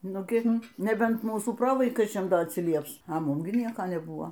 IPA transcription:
ˈnʊ ˈɡʲɪn nʲɛˈbʲɛnt ˈmuːsuː ˈproːʋɐɪkɐɪt͡ʃʲɛm ˈdɐ ɐtʲsʲɪˈlʲiɛps ɐ ˈmʊm ɡʲɪ ˈnʲiɛkɐ nʲɛˈbʊɐ

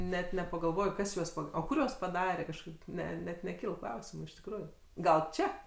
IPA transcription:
nʲɛt nʲɛpɐɡɐlˠˈʋoːj ˈkɐs juɔs pɐ oː ˈkʊr juɔs pɐˈdɑːrʲɛ kɐʃˈkɐɪp ˈnʲɛ nʲɛt nʲɛˈkʲiːlˠ ˈklˠɐʊsʲɪmʊ ɪʃ tʲɪkˈruːjʊ ˈɡɐlˠ ˈt͡ʃʲɛ

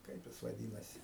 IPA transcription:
ˈkɐɪp jɪs ʋɐˈdʲiːnɐsʲɪ

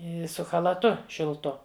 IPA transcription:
ˈɪ sʊ xɐlˠɐˈtʊ ʃʲɪlˠˈtʊ

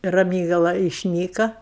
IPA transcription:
rɐˈmʲiːɡɐlˠɐ ɪʃʲˈnʲiːkɐ

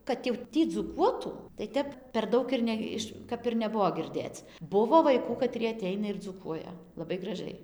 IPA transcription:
kɐt jɛʊ ˈtʲiː d͡zuːˈkuɔtuː tɐɪ ˈtʲɛp pʲɛr ˈdɐʊk ɪr ˈnʲɛ ɪʃ kɐp ɪr nʲɛˈbʊʋoː ɡʲɪrʲˈdʲeːt͡s ˈbʊʋoː ʋɐɪˈkuː kɐˈtʲrʲiɛ ɐˈtʲɛɪnɐ ɪr d͡zuːˈkuɔjɛ lˠɐˈbɐɪ ɡrɐˈʒɐɪ

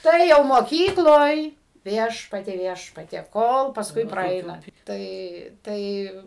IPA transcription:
ˈtɐɪ jɛʊ moːˈkʲiːklˠoːj ˈʋʲiɛʃpɐtʲiɛ ˈʋʲiɛʃpɐtʲiɛ ˈkoːlˠ pɐsˈkʊɪ prɐˈɛɪnɐ ˈtɐɪ ˈtɐɪ

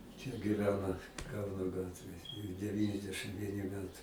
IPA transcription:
t͡ʃʲɛ ɡʲɪˈʋʲæːnɐ ˈkɐʊnoː ˈɡɑːtʲʋʲeːj dʲɛˈʋʲiːnʲɛzʲdʲɛʃɨm ˈʋʲiɛnʲɪ ˈmʲæːtɐɪ

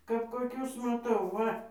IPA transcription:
kɐp koːˈkʲʊs mɐˈtɐʊ ˈʋɐ

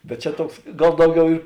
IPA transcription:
bʲɛt ˈt͡ʃʲɛ ˈtuɔks ˈɡɐlˠ ˈdɐʊˌɡʲɛʊ ɪ

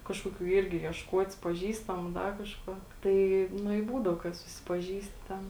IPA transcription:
ˈkɑːʃkoːˌkʲuː ˈɪrʲɡʲɪ iɛʃˈkuɔtʲɪs pɐˈʒʲiːstɐmʊ ˈdɐ kɐʃˈkuɔ ˈtɐɪ ˈnʊ ɪ ˈbuːdɐʊ kɐt sʊsʲɪpɐˈʒʲiːsʲtʲɪ ˈtʲɛn

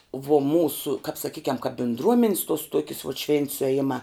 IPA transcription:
ʋuɔ ˈmuːsʊ kɐp sɐˈkʲiːkʲɛm kɐp bʲɪndˈruɔmʲɪns tuɔs ˈtuɔkʲɪs ʋuɔt ʃʲʋʲeːnt sʊɛˈjɪmɑː

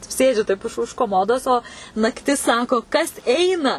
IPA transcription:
ˈsʲeːd͡ʒʲʊ tɐɪp ʊʃ ʊʃ koːˈmoːdoːs oː nɐkˈtʲɪs ˈsɑːkoː kɐs ˈɛɪnɐ

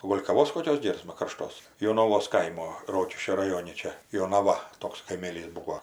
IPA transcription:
oː ˈɡoːlʲ kɐˈʋoːs koːˈkʲoːs ˈɡʲeːrsmɐ kɐrˈʃtoːs joːnɐˈʋoːs ˈkɐɪmoː ˈroːkʲɪʃʲkʲoː rɐˈjoːnʲɪ ˈt͡ʃʲɛ joːnɐˈʋɐ ˈtoːks kɐɪˈmʲeːlʲiːs ˈbuːoː

